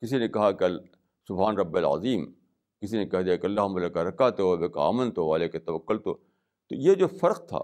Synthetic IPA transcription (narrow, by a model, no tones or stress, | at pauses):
kɪsinekɐɦakeɐl | sʊbɦaːnɾɐbːɪɐlɐ̰ziːm | kɪsinẽkɐɦd̪ijakeɐlːaːɦʊmɐlekaɾɐkat̪obeka̰ːmə̃nt̪oʋaːleket̪ɐʋəkːʊlt̪o̰ː | t̪o̰ːjed͡ʒoːfɐɾq̚t̪ʰa̰ː